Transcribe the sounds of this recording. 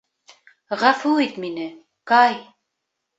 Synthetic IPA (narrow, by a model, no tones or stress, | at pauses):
ʁɑfuit̪minɘ | kɑj